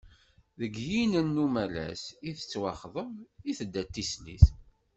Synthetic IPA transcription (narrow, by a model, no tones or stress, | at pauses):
ðəɡjinənːumælæ̰siθə̥t͡sːwɑχðˤəmiθəd̪ːæt̪ːisnḭθ